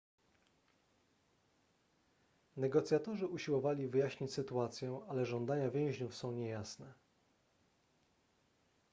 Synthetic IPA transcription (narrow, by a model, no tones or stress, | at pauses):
nɛɡɔt̪sʲjat̪ɔʐɘʔuɕiwɔvalʲivɘjaɕɲit͡ɕʲsɘt̪uat̪sʲjɛalɛʐɔnd̪aɲavʲjɛ̃w̃ʑɲufsɔ̃w̃ɲɛjasnɛ